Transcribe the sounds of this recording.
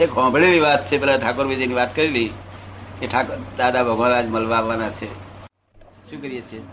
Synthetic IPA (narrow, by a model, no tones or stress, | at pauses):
ekɦɔ̃bʱɭelibat̪̚t͡ʃʰebelaʈʰakoɾbʱid͡ʒenibat̪kəɾilĩkeʈʰakoɾd̪ad̪abʱəɡʱɔ̃ɾad͡ʒməlbabanat͡ʃʰe | sũkəɾijet͡ʃʰe